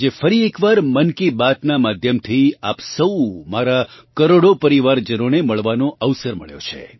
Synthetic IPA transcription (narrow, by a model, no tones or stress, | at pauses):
d͡ʒefəɾiekʋaɾmənkibat̪namad̪ʱjəmt̪ʰia̰psəwmaɾakəɾoɽopəɾiʋaɾd͡ʒənoneməɭʋanõʔəʋsəɾmə̰ɭjo̰t͡ʃʰḛ